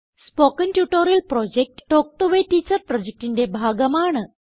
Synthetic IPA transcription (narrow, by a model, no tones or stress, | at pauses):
spokənʈjuʈoɾilpɾɔd͡ʑek̚ʈːok̚ʈoʋeʈit͡səɾpɾɔd͡ʑek̚ʈindʲebʱaɡəmaɳə